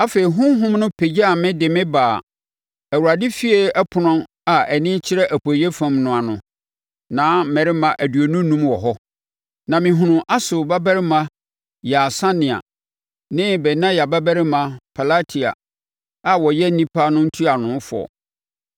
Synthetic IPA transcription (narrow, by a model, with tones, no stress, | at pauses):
a˦fe˨i˨ɦʊ̃˦ɦʊ̃˦mnʊ̃˦pʰe˨d͡ʑa˦a˨mɪ̃˦dɪ˨mɪ̃˦baː˨ | æ˨wu˨ɾa˨dɪ˦fi˦e˦ɛ˦pʰʊ˨nʊ̃˦n | a˨ɛ˨nɪ̃˦t͡ɕʰɪ˦ɾɛ˦ʔæ˨pʰo˨je˦fã˨mnʊ̃˨a˨nʊ̃˨ | nãː˨˦mɛ̃˨ɾɪ˦mã˨ʔæ˨dɥo˨nũ˦nũ˦mwɔ˨ɦɔ˦ | nã˨mɪ̃˨ɦʊ̃˨nʊ̃˨ʔa˦sʊ˨ba˦bæ˦ɾɪ˦mã˦ | ja˨sã˦nɪ̃˨a̰˨ | nɪ̃˦bɛ˨nã˦ja˨ba˦bæ˦ɾɪ˦mã˨pʰa˨la˦tʰi˨a̰˨ | a˨wɔ˨jɛ˦nĩ˦pʰa˦nʊ̃˦n̩˦tʰu˦a˨nʊ̃˨˦fɔ̰˨